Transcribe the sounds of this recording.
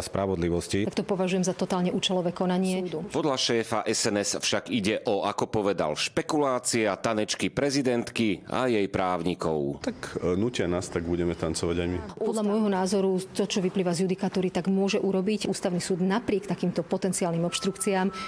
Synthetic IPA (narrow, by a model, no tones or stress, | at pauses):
spɾaʋɔd̪liʋɔsciak̚t̪ɔpɔʋaʒujɛmzat̪ɔt̪aːlɲɛʔuːt͡ʃɛlɔʋɛːkɔnaɲɪɛd̪upɔd̪ʎaʃɛːfaʔɛsɛnɛsfʃaɡiɟɛʔɔʔakɔpɔʋɛd̪a̰lʃpɛkulaːt͡siɛat̪anɛt͡ʃkipɾɛzid̪ɛnt̪kia̰jɛjpɾaːʊɲikɔ̰ʊt̪aknuːcɪanaːst̪aɡbuɟɛmɛt̪ant͡sɔʋaɟajmiɔd̪lʎamʊɔjɦɔnaːzɔɾut̪ɔt͡ʃɔʋipliːʋazjud̪ikat̪uːɾit̪aɡmʊɔʒɛʔuɾɔbicuːst̪aʊnisuːd̪napɾɪɛkt̪akiːmt̪ɔpɔt̪ɛnt͡siaːlnimɔpʃt̪ɾukt͡siaːm